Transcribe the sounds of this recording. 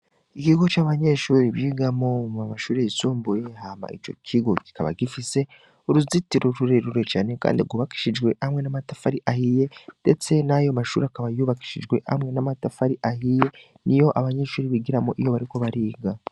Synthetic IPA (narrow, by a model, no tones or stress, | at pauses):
ikiɡo̞t͡ʃaːβaɲeʃuːɾiβiːɡamomamaʃuːɾeisuːmbuje̞ɦama̰ʔit͡ʃo̞̰kʰiɡo̞ki̥kaβa̰ɡifise̞ | uɾuzitiɾoɾuɾe̞ɾuɾet͡ʃaːne̞ka̰ːndiɾɡuβaki̥ʃid͡ʒɡwe̞ʔhamŋe̞namatafaɾiʔahije̞d̥e̞t͡se̞najomaʃuːɾiakaβajuβaki̥ʃiʒɡwe̞ʔa̰mŋe̞namatafaɾiʔahije̞ | nijo̞ʔaβaɲe̞ʃuːɾiβiɡiɾamoʔijo̞βaɾiko̞βaɾiːɡa